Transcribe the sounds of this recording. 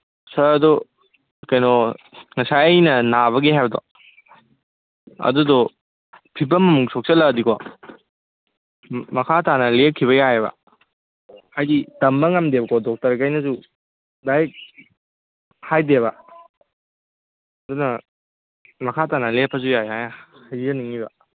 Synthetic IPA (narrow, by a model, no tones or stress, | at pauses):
sɐdɔ | kɐjnɔŋɐsajjnɐnaβɐɡiɦajbɐdɔ̰ | ɐ̰dudɔ | pʰib̬ɐmːɐmuŋsʰɔk̚sɐlɐdikʰɔ | mɐkʰatanɐlekʰiβɐjaebɐ̰ | hajditɐmbɐŋɐmdebɐkʰɔdɔk̚tɐɾɡajnɐzu | daj | hajdeβɐ | ɐdunɐ | mɐkʰatanɐlepʰːɐzujajajahajzɐniŋibɐ